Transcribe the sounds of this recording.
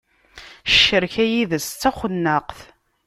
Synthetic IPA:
ʃə̥ʃːəɾçæjiðəst͡sːæχʷənːəqθ

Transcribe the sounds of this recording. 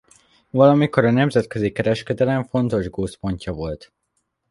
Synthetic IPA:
vɒlɒmiko̞ɾɒnɛmzɛt̪kø̞zikɛɾɛʃkɛd̪ɛlɛɱfo̞n̪t̪o̞ʒɡoːspo̞ɲcɒvo̞lt̪

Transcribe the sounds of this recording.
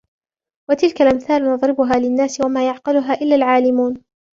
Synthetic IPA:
wat̪ɪlkalʔamθaːlnʊðˤɾɪbʊɦaːlɪnːaːsɪwamaːjʊʕqɑlʊɦaːʔɪlːaːlʕaːlɪmuːn

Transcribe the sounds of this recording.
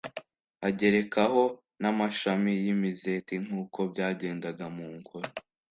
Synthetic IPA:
aɟe̞ɾe̞kaho̞ | namaʃamijimizetiŋ̥uːko̞bɟaːɟe̞ːndaɡamuːŋɡoɾo

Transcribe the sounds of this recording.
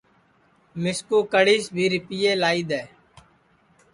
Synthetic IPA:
mɪskuːkəɽiːsbʱiːɾɪpiːjeːlaːiːd̪ɛː

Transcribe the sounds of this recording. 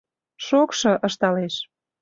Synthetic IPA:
ʃokʃɤ̆ʔəʃt̪ɑleʃ

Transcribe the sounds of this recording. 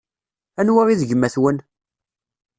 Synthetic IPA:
ænwaɾiðʝəmːæθwən

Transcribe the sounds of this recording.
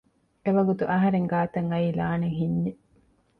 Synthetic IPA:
eʋɐɡut̪uʔɐɦɐɾeŋɡaːt̪ɐŋɐiːlaːneŋɦiɲːe

